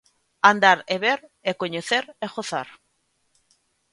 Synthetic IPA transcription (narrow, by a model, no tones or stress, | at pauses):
and̪aɾeβeɾekoɲeθeɾeɣoθaɾ